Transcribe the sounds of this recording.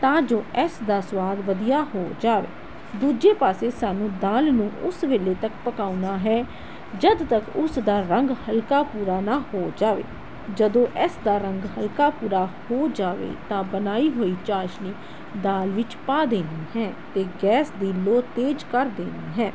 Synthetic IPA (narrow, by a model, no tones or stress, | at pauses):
t̪ãːd͡ʒoːʔɛsd̪aːswaːd̪ʋəd̪ijaːɦoːd͡ʒaːʋḛː | d̪uːd͡ʒeːpaːseːsaːnũːd̪aːlnũːʔʊsʋeːleːt̪əkpəkaːunaːɦɛː | d͡ʒəd̪t̪əkʊsd̪aːɾəŋɡhəlkaːpuːɾaːnaːhoːd͡ʒaːʋḛː | d͡ʒəd̪õːʔɛsd̪aːɾəŋɡɦəlkaːpuːɾaːhoːd͡ʒaːʋḛːt̪ãːbənaːiːɦoːiːt͡ʃaːʃniː | d̪aːlʋɪt͡ʃpaːd̪eːnd̪iːɦɛːt̪eːɡɛːsd̪iːloːt̪eːd͡ʒkəɾd̪eːnd̪iːɦɛː